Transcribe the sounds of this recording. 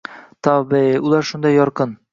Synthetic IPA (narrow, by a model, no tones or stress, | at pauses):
t̪ɒbiulˠɑɾʃund̪ɑjɒɾqɤn